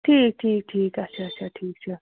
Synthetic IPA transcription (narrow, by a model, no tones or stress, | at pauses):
ʈʰiːk̚ʈʰiːk̚ʈʰiːkat͡ʃʰaːt͡ʃʰaʈʰiːk̚t͡ʃʰa